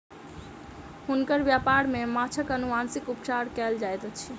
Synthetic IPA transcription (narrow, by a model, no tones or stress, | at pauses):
hunkəɾbjapaɾmemat͡ʃʰəkənuansikupt͡ʃaɾkɛld͡ʒajt̪ot͡ʃʰi